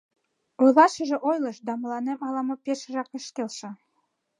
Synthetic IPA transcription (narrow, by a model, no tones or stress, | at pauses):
ujlɑʃə̆ʒĕʔojlɤ̆ʃd̪ɑmɤ̆lɑnemɑlɑmɤ̆peʃʒɑkə̆ʃkelʃɤ̆